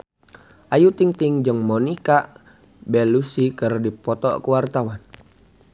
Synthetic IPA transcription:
ʔajut̪iŋt̪iŋd͡ʒəŋmɔnika | bɛlusikərdipɔt̪ɔ̰kəwart̪awan

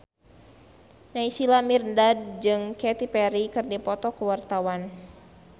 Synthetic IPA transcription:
naisilamirndad̚d͡ʒɨŋkɛt̪ipɛɾikɨrdipɔt̪ɔkəwart̪awan

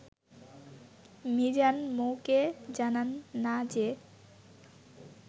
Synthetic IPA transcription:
mid͡ʑanmoked͡ʑananːad͡ʑe

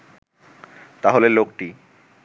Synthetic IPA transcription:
t̪aɦolelokʈi

